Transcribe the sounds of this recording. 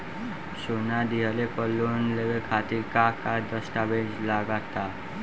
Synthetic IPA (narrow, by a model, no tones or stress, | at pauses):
sonad̪iɦəlepəlːunleʋekʰat̪iɾkakad̪əsʈabed͡ʒlaɡat̪a